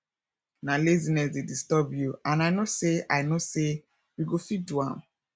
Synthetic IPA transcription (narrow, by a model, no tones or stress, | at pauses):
nalezinɛsdedistɔbjuãnajnoseʔaɪnose | wiɡofiduã̰m